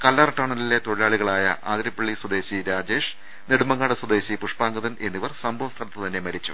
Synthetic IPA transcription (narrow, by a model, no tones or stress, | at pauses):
kɐlːɐrɐʈːaːɳɐlile̞t̪oɻilaːɭiɣɐɭaːjɐ̰ʔa̰ːd̪ɾɐpːɐɭːiswɐd̪e̞ːɕiɾaːd͡ʑe̞ːʂ | neɽumɐŋːaːɽɐswɐd̪e̞ːɕipuʂpaːŋɡɐðɐne̞nːiʋɐrsɐmbʱɐʋɐst̪ʰɐlɐt̪ːɨt̪ɐnːe̞mɐɾit͡ɕːṵ